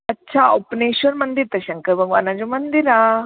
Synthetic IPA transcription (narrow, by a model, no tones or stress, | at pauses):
ɐtːɕʰaopneɕənmənd̪iɾt̪ɐɕɐŋkəɾbʱəɡʋa̰ːnad͡ʑomənd̪iɾa